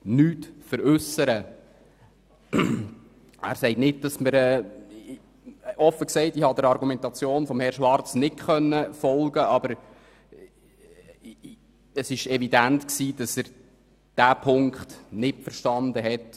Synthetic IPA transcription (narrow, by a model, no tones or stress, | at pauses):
nyːtfəɾʉsəɾə | æ̰ːɾsɛɪtnɪt̚d̥ɑsməɾɛː | ɔfːəksɛɪtihɑdəɾɑɾɡumɛntɑt͡sjoːnfɔmhɛɾʃʋɑrt͡snɪtχœnːəfɔlɡəʔɑbəɾ | əsɪʃɛvidæntksiːd̥ɑsæɾ | d̥æːpʰʊŋkχtnɪtfəɾʃtɑnd̪əɦɛt